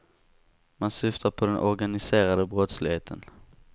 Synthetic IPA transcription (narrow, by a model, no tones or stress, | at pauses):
mansʏft̪ʰaɾpʰɔd̪ɛnʔɔɾɡanɪseːɾad̪əbɾɔt̪slɪɡheːt̪ʰə̰n